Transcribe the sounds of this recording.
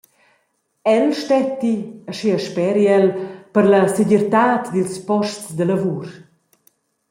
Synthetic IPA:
ɛlʃtɛt̪ːiəʃiəʃpɛɾiɛlpəɾlɐseɟɛɾt̪aːt̪d̪ilspɔʃtt͡ssd̪ələvuːɾ

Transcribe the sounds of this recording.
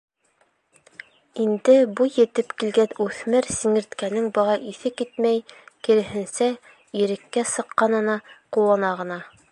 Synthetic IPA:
ind̪ɘbujɘ̆t̪ɘpkilɡænʉθmɘɾsɘ̆ŋɘ̆ɾt̪kænɘŋbɤ̆ʁɑʔiθɘkit̪̚mæjkɘ̆ɾɘ̆ɦɘ̆nsæ | iɾɘ̆kːæsɤ̆qːɑnɤ̆nɑqulˠɑnɑʁɤ̆nɑ

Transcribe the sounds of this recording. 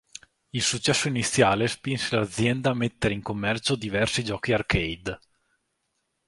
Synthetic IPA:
ilsut͡ʃːɛsːoinit̪sːjaːlespinselad̪zːjɛnd̪aːmet̪ːeɾeiŋkomːɛrt͡ʃod̪ivɛrsid͡ʒɔːkiarkejd̪

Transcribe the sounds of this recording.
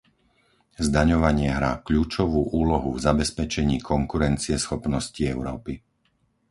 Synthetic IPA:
zd̪aɲɔʋaɲɪɛɦɾaːkʎuːt͡ʃɔʋuːʔuːlɔɦuvzabɛspɛt͡ʃɛɲiːkʰɔŋkuɾɛnt͡siɛsxɔpnɔsciɛʊɾɔːpi

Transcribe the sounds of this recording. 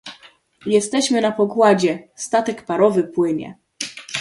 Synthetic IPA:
jɛst̪ɛɕmɘnapɔɡwad͡ʑɛst̪at̪ɛkpaɾɔvɘpwɘɲɛ̰

